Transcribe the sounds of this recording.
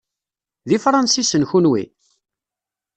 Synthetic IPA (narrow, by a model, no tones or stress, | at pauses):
ðifɾˤɑnsisənçunwḭ